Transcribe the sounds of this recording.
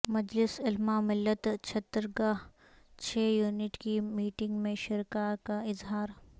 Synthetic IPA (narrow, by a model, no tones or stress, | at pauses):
mɐd͡ʒlɪsɪlmamɪlːət̪t͡ʃʰɐt̪ːəɾɡaːɦ | t͡ʃʰɛːjuːnɪʈkimiːʈɪ̃ŋɡmẽʃɪɾkakaɪzɦaːɾ